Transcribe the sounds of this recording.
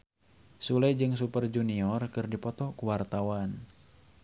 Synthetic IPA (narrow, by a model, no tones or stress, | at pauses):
sulajd͡ʒɨŋs̬upərd͡ʒuniɔrkɨrdipɔt̪ɔkuwart̪awan